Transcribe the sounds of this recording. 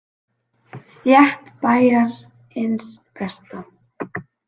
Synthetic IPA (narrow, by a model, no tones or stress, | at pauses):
θjɛht̪paːjaɾ | ɪnspɛst̪a